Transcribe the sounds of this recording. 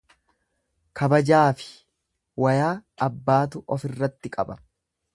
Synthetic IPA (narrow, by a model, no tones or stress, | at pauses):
kʰɐbɐd͡ʒaːfɪ̥ | wɐjaːɐbːaːt̪ʊʔɔfɪrːɐt̪ːɪkʼɐbɐ̥